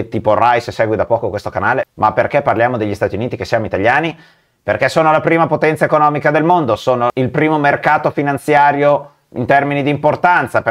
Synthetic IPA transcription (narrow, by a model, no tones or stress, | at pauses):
t̪iːporajssɛːɡwid̪apɔːkokwest̪okanaːlemaperkɛpːarljaːmod̪eʎːist̪aːt̪iuniːt̪ikesijaːmoit̪aʎːjaːni | perkɛsːoːnolapɾiːmapot̪ɛnt̪saekonɔːmikad̪elmond̪osoːnoʔilpɾiːmomerkaːt̪ofinant̪sjaːɾjo | ḭnt̪ɛrminid̪import̪ant̪sap